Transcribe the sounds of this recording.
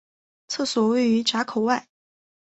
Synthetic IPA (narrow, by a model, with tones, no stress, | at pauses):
t͡sʰɤ˥˩swɔ˨˥we˥˩ɪy˧˥ʈ͡ʂa˧˥kʰo˨˩ʊwa˥˩ɪ